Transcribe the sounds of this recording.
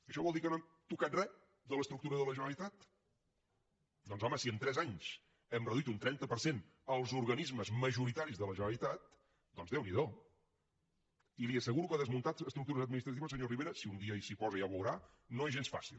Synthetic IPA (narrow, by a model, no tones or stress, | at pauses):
əʃɔβɔlˠd̪ikənoamt̪ukat̪rɛ | d̪ələst̪ɾuk̚t̪uɾəðələʒənəlit̪at̪ | d̪ɔnzɔməsiənt̪ɾɛzaɲs | ɛmrəðuit̪unt̪ɾɛnt̪əpəɾsen | əlˠzuɾɣənizməzməʒuɾit̪aɾizðələʒənəlit̪at̪̚ | d̪ɔnzðɛwniðo | iliəsəɣuɾukaðəzmunt̪at̪əst̪ɾuk̚t̪uɾəzəd̪minist̪ɾət̪iβəs̬əɲoriβeɾəsiund̪iəisipɔzəjaβəwɾa | noezʒensfa̰sḭlˠ